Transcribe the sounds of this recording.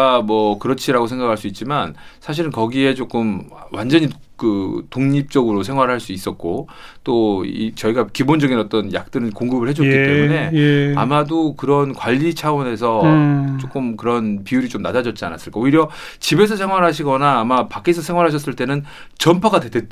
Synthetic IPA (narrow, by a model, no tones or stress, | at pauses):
amwʌkɯɾʌt͡ɕʰiɾaɡosʰe̞ŋɡakʰaɭs͈uit̚t͡ɕ͈imansʰaɕ̬ʰiɾɯnkʌɡie̞t͡ɕok͈ɯmwand͡ʑʌɲi | kɯtoŋɲip̚t͡ɕ͈ʌɡɯɾosʰe̞ŋwaɾɦaɭs͈uis͈ʌt̚k͈o | t͈oḭt͡ɕʌiɡakibond͡ʑʌɡinʌt͈ʌnja̰k̚t͈ɯɾɯnkoŋɡɯbɯɭhed͡ʑokkitt͈emune̞a̰madokɯɾʌnkwaʎːit͡ɕʰawone̞sʰʌt͡ɕ͈ok͈ɯmkɯɾʌnpiuɾit͡ɕomnadad͡ʑʌt̚t͡ɕ͈ia̰nas͈ɯɭk͈aoiɾjʌ | t͡ɕibe̞sʰʌsʰe̞ŋwaɾɦaɕʰiɡʌnaːmapakʰesʰʌsʰe̞ŋwaɾɦaɕ̬ʰʌs͈ɯɭt͈e̞nɯn | t͡ɕʌmpʰaɡadwe̞det͈